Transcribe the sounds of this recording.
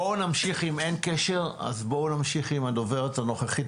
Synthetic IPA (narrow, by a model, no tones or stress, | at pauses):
onamʃiχimenkeʃeʁa̰zbonamʃiχimad̪oveʁetano̞χeχit